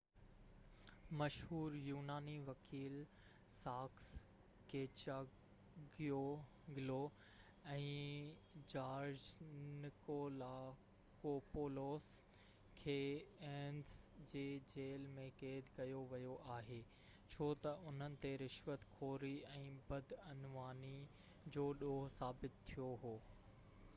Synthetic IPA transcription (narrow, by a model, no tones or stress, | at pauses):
mɐʃhuːɾjuːnaːniʋɐkʰiːl | saːks | keːt͡ɕaː | ɡijo | ɡɪlo | ɛ̃ː | d͡ʑaːɾd͡ʑnɪkoːlaː | koːpoːloːs | kʰeːeːnsd͡ʑeːd͡ʑeːlmẽkeːd̪ʱkɐjoʋɐjoʔaːɦeː | t͡ɕʰoːt̪ɐʔʊn̤ənɪ̆t̪eɾɪʃʋət̪kʰoːɾiɛ̃ːbɐd̪ʱɐnʋaːni | d͡ʑoːɗoːɦsaːbɪt̪t̪ʰːijoɦoː